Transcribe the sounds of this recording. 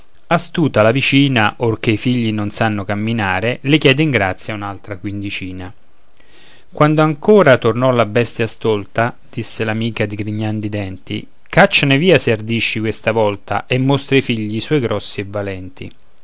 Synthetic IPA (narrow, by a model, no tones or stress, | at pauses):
ast̪uːt̪alavit͡ʃiːnaʔork̟eifiʎːinonsanːokamːinaːɾelɪkjɛːd̪eiŋɡɾat̪sːjaunalt̪ɾakwind̪it͡ʃiːna | kwand̪oaŋkoːɾat̪ornɔlabɛst̪jast̪olt̪a | d̪̥isːelamiːkad̪iɡɾiɲːand̪id̪ɛnt̪ḭ | kat͡ʃːaneviːaseard̪iʃːikwest̪avɔlt̪a̰ʔemːost̪ɾeifiʎːiːswɔjɡɾʔɔsːiɛvːalɛnt̪ḭ